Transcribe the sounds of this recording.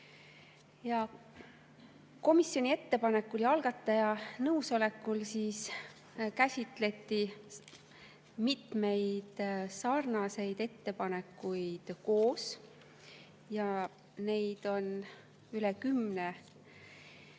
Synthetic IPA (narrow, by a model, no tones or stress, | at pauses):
jɑ | ko̞misːjo̞nʲie̞t̪ːe̞pɑne̞kːuljɑlɡ̥ɑt̪ːˑɑjɑnɤwso̞le̞kːulsiːs | kæsʲit̪ˑle̞t̪ːi | mit̪me̞jd̪̥sɑrnɑse̞jd̪̥e̞t̪ːe̞pɑne̞kːujd̪̥ko̞ːs | jɑ | ne̞jd̪̥o̞n | ylekymne